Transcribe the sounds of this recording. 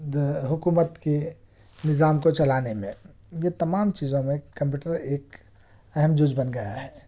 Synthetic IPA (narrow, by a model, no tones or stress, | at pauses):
ɦʊkumət̪ke | nɪzaːmkot͡ʃɐlaːnemẽ | jet̪ɐmaːmt͡ʃiːzõmẽkə̃mp̬juːʈəɾeːk | ɐɦɛmd͡ʒʊd͡ʒbənɡɐja̰ɦɛː